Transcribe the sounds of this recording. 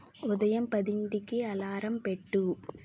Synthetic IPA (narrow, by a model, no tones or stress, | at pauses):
ʊðɐjɐmpɐðɪnɖ̪ɪkːeɐlaːɾɐmpɛʈːu